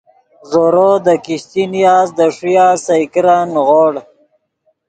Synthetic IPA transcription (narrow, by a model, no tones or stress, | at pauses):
zoɾod̪əkiɕt̪inijaːzd̪əʂijaːsajkɾanɣoɽ